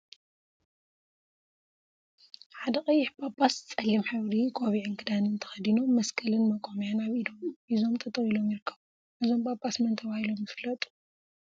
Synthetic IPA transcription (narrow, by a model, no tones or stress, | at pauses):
ħad̪ɐkʼɐjːɪħbapʼːast͡sʼɐlːimħaβɾikʼoβiʕɨnkʰɨd̪anɨnt̪ʰɐ̥xɐd̪ino̞mːɐskʰɐlɨnmɐkʷʼomjanaβidomʔizo̞mt̪ʰɐt̪ʼɐχilo̞mjɪɾɨkʰːɐ̥βu | ʔɨzombapʼːasmɐnt̪ʰɐβahilo̞mjɨfɨlɐt̪ʼu̥